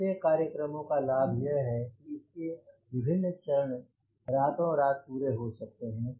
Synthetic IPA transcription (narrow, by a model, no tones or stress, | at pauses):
ekaːɾjəkɾəmõkalaːbʱjəɦɦɛkiɪskeʋɪbʱɪnːt͡ʃəɾəɳ | ɾaːt̪õɔɾaːt̪̚puːɾeɦosɐk̚t̪eɦɛ̃ː